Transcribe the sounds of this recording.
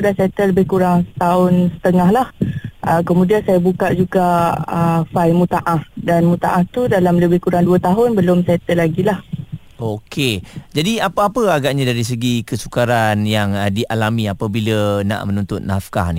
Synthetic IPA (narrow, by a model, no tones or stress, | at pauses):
sudasat̪ələbɪhkuɾaŋsə̥t̪aʊnsə̥t̪əŋaɦlahʔəkəmũdiansajabukaʔd͡ʒuɡaəfajmut̪aʔahdanmut̪aʔaht̪udalamləbɪhkuɾaŋduət̪aɦʊnbəlʊmsat̪əlaɡilah | okʰed͡ʒadiapəapəaɡaʔɲadaɾis̬əɡikəsu̥kaɾanjaŋədiʔalamiapabiləna̰ʔmənũnt̪ʊt̪̚nafka̰hni